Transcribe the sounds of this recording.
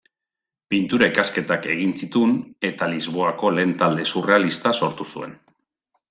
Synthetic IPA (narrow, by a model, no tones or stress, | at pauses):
pint̪uɾaikaske̞t̪ake̞ɣ̞insit̪une̞t̪alizβ̞o̞ako̞le̞ːnt̪ald̪e̞sure̞alist̪aso̞ɾt̪usue̞̰n